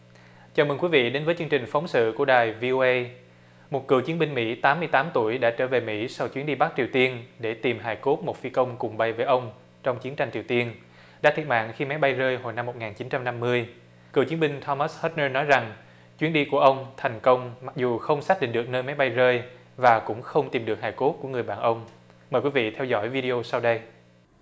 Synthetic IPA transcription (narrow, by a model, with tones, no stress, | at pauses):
t͡ɕaː˨˩mɨ˨˩kwi˨˦vḭ˧˨ɗe˨˦nvəː˨˦jt͡ɕɨ˧əŋt͡ɕï˨˩ŋ̟fa˨˦wŋ͡msɨ̰˧˨ku˧˩əɗaː˨˩jvi˧ʔo˧ʔə˧j | mo˨˩t̚kɨ̰˨˧˩əwt͡ɕi˨˦ənmï˧ŋ̟mḭ˧˥t̪aː˨˦mːɨ˧əjt̪aː˨˦mt̪u˧˩əjɗa̰ː˧˥t͡ɕəː˧˩ve˨˩mḭ˧˥sa˧wt͡ɕwi˦ənɗi˧ɓa˦˥t͡ɕi˨˩əwt̪i˧ənɗe˧˩t̪i˨˩mɦaː˨˩jko˦˥t̚mo˨˩t̚fi˨˦kə˧wŋ͡mkʊ˨˩ŋ͡mɓa˨˩jvəː˨˦jʔə˧wŋ͡m | t͡ɕɔ˧wŋ͡mt͡ɕi˨˦ənt͡ɕa˧jŋt͡ɕi˨˩əwt̪i˧ən | ɗa̰ː˧˥t̪ʰi˨˩ət̚ma̰ː˧˨nxi˧ma˨˦jɓa˧jzəː˧jɦo˨˩jna˧mːo˨˩t̚ŋaː˨˩nt͡ɕi˨˦nt͡ɕa˧mna˧mːɨ˧əj | kɨ̰˨˧˩t͡ɕi˨˦ənmɓï˧ŋ̟t̪ʰɔ˧ma˦˥shə˦˥t̚nəː˧nɔ˨˦jza˨˩ŋ | t͡ɕwi˨˦ənɗi˧ku˧˩əʔə˧wŋ͡mt̪ʰɛ˨˩jŋ̟kə˧wŋ͡mma˨˩k̚zu˨˩xə˧wŋ͡msaː˦˥ḭ̈˧˨ŋ̟ɗɨ˨˩k̚nəː˧jma˨˦jɓa˧jzəː˧j | vaː˨˩kʊ̰˧˥ŋ͡mxə˧wŋ͡mt̪i˨˩mɗɨ˨˩ək̚haː˨˩jko˦˥t̚ku˧˩əŋɨ˨˩əjɓaː˧˨nʔə˧wŋ͡m | məː˨˩jkwi˨˦vḭ˧˨t̪ʰɛ˧wzɔ̰˧˥˨jvi˧ɗi˧o˧sa˧wɗə˧j